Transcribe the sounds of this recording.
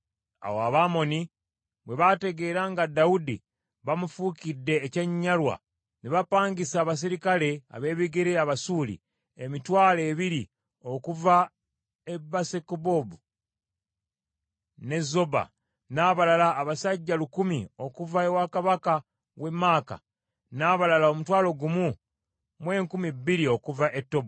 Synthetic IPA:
a̰woaβaːmo̞ni | βwe̞βate̞ɡe̞ːɾaŋɡadaudḭ | βamufuːkidːe̞ːceɲːalwa̰ | niβapaːŋɡisaːβas̬iɾikale̞a̰βe̞ːβiɡeɾeaβasuːlḭ | emitwaːle̞ːβiɾi | o̞kuva | ebasekubobu | ne̞zo̞ba̰ | naːβalalaːβasaɟːalukumio̞kuvaewakaβaka | we̞maːka̰ | naːβalalao̞mutwaːlo̞ɡumu | mwe̞ːŋkumibːiɾio̞kuvaʔetːo̞bo

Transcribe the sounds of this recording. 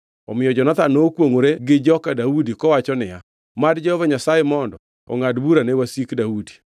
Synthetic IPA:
ɔ̰mɪjɔd͡ʒɔnat̪anokwoŋoɾeɡɪd͡ʒɔkadaudikɔwat͡ʃɔnɪja | madd͡ʒɔhɔvaɲasajemɔndɔ | ɔ̰ŋadbuɾanewasikdaudi̥

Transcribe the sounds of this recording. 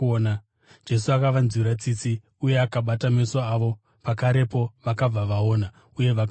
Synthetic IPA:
na | d͡ʒe̞s̬uakaʋanziɾat͡sit͡si | uje̞akaɓatame̞soaʋo̞ | pakaɾe̞po̞ʋakab͡vaʋao̞ːna | uje̞ʋak

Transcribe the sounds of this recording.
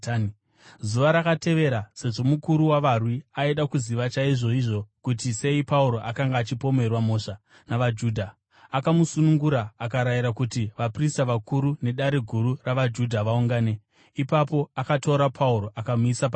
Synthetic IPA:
zuʋaɾakate̞ʋe̞ɾase̞ʐo̞mukuɾuwaʋarwiaeɗakuziʋat͡ʃaiʐo̞iʐo̞kutise̞ipauɾo̞ʔakaŋɡaːt͡ʃipo̞me̞rwamo̞ːʂa | naʋad͡ʒuːdʱa | akamusunuŋɡuɾaːkaɾajiɾakutiʋapristaʋakuɾune̞ɗaɾe̞ɡʱuɾuraʋad͡ʒudʱaʋauŋɡaːne̞ | ipapo̞akato̞ɾapʰauɾo̞ʔakamuisap

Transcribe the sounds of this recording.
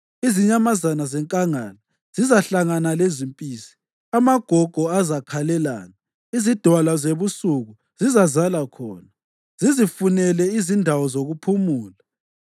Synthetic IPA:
iziɲamazanazɛŋkʼaŋaːna | z̥izaɬaŋanalezimpʼiːsi̥ | amaɡ̥ʱɔɡ̥ʱɔazakʰalɛla̰ːna | izid̥ʱwalazeβusuɣu | z̥izazalakʰɔ̰ːna | z̥izifunɛlɛizindʱawɔzoɣupʰumuːla

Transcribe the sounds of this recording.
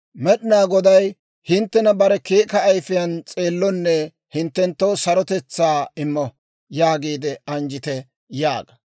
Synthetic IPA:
mɛɗɪnaːɡɔd̪ɐj | hɪnt̪ːɛnɐbɐɾɛkeːkɐːjfɪjɐnt͡sʼeːlːɔnːɛ | hɪnt̪ːɛnt̪ːoːsɐɾɔt̪ɛt͡sːaːɪmːɔ | jaːɡiːd̪ɛɐnd͡ʒɪt̪ɛ | ja̰ːɡɐ̥

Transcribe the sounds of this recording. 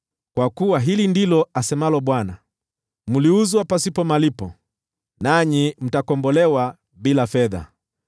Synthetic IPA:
kwakuwaɦilindilɔasɛmalɔɓwana | muliuzwapasipɔmalipɔ | naɲim̩takɔmbɔlɛwa | ɓilafɛða̰

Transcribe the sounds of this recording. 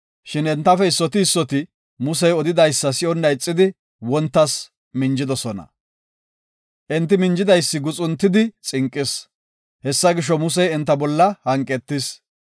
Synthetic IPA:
ʃɪnɛnt̪ːɐfɛɪsːɔt̪ɪːsːɔt̪ɪ | mʊsɛjɔd̪ɪd̪ɐjsːɐsɪɔnːɐjt͡sʼːɪd̪ɪ | wɔnt̪ːɐs | mɪnd͡ʒɪd̪ɔsɔnɐ̰ | ʔɛnt̪ːɪmɪnd͡ʒɪd̪ɐjsːɪɡʊt͡sʼʊnt̪ːɪd̪ɪt͡sʼɪŋkʼːɪs | hɛsːɐɡɪʃ̬ɔmʊs̬ɛjɛnt̪ːɐbɔlːɐhɐŋkʼːɛt̪ːɪs

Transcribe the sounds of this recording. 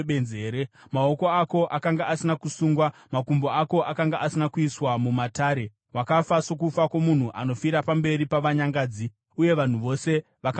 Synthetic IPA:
ɓenzeːɾe | mao̞ko̞ako̞ʔakaŋɡaʔasinakusuːŋɡwamakumboako̞ʔakaŋɡaʔasinakuiswamumataːɾe̞ | wakafaso̞k̬ufakwo̞mun̤uʔa̰no̞fiɾapambe̞ɾipaʋaɲaŋɡaːd͡zi | uje̞ʋan̤uʋo̞se̞ | ʋak

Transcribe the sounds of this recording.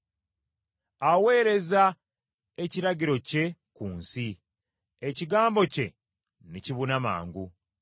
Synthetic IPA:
awe̞ːɾe̞za | e̞ciɾaɟiɾo̞ce̞kuːnsi | eciɡaːmbo̞ce̞ | niciβunama̰ːŋɡu

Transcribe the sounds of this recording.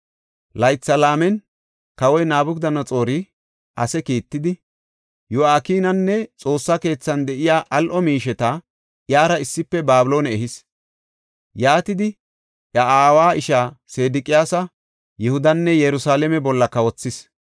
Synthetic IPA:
lɐjt͡sːɐlaːmɛn | kɐwɔjnaːbʊkd̪ɐnɐt͡sʼo̞ːɾɪ | ʔɐsɛkiːt̪ːɪd̪ɪ | jʊaːkiːnɐnːɛt͡sʼo̞ːsːake̞ːt͡sːɐnd̪ɛʔɪjaːʔɐlʔɔmiːʃɛt̪ɐ | ʔjaːɾɐɪsːɪpːɛbaːbɪlo̞ːnɛɛɦɪs | jaːt̪ɪd̪ɪ | ʔɐaːwaːʔɪʃaːse̞ːd̪ɪkʼɪjaːsɐ | jɛhʊd̪ɐnːɛjɛɾʊsaːlɛmɛbɔlːɐkɐwɔt͡sːɪs

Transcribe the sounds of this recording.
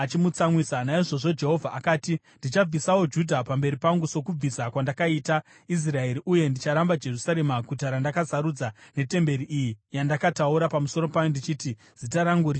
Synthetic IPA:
at͡ʃimut͡samwisanaiʐo̞ʐo̞d͡ʒe̞ɦo̞vʱaːkaːti | ndit͡ʃab͡visawo̞d͡ʒudʱapambe̞ɾipaŋɡuso̞kub͡visakwandakaita | is̬rae̞ɾiʔuje̞ndit͡ʃaɾambad͡ʒe̞rusaɾe̞maɡʱutaɾandakasaɾud͡zane̞te̞mbe̞ɾiʔijijandakatauɾapamuso̞ɾo̞pajondit͡ʃiːti | z̥itaɾaŋɡuri

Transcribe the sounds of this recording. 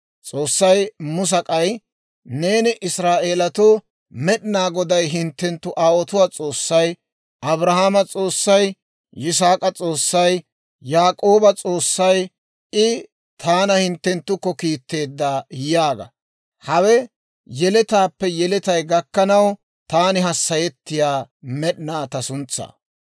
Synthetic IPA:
t͡sʼo̞ːsːɐjmʊs̬ɐkʼɐj | ne̞ːnɪʔɪsɾaːʔe̞ːlɐt̪oː | mɛɗɪnaːɡɔd̪ɐjɦɪnt̪ːɛnt̪ːʊʔaːwɔt̪ʊwaːt͡sʼo̞ːsːɐj | ʔɐbɾɐɦaːmɐt͡sʼo̞ːsːɐj | ɪs̬aːkʼɐt͡sʼo̞ːsːɐj | jaːkʼoːbɐt͡sʼo̞ːsːɐj | ɪ | t̪ʰaːnɐhɪnt̪ːɛnt̪ːʊkːɔkiːt̪ːe̞ːd̪ːaːjɪjaːɡɐ̰ | hɐwɛ | jɛlɛt̪aːpːɛjɛlɛt̪ɐjɡɐkːɐnɐw | t̪aːnɪɦɐsːɐjɛt̪ːɪjaːmɛɗnaːt̪ɐsʊnt͡sːa̰ː

